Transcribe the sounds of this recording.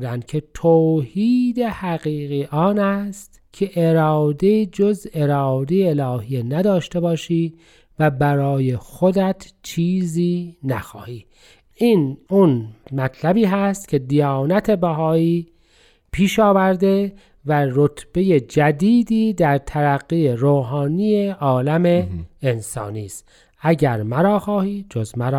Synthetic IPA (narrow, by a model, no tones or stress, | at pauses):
d̪ænd̪̥cʰe̞t̪ʰoːhiːd̪e̞hæɣiːɣiʔɒːnæst̪cʰe̞ʔeɾɒːd̪e̞d͡ʒoze̞ɾɒːd̪e̞jeelɒːhijenæd̪ɒːʃt̪e̞bɒːʃiː | væbæɾɒːjexod̪æt̪ʰt͡ʃʰiːziːnæ̰xɒ̰ːhiː | ʔiːnunmæt̪ʰlæbiːɦæst̪cʲʰe̞d̪ijɑɒːnæt̪ʰe̞bæɦɒːiː | pʰiːʃɒːvæɾd̪e̞ | væɾot̪ʰb̥e̞je̞d͡ʒæd̪iːd̪iːd̪æɾt̪ʰæɾæɣːijeɾoːɦɑːnijeʔɒːlæme̞ːnsɒ̰ːniːst̪ | æɟæɾmæɾɒːxɒːhiːd͡ʒozmæɾː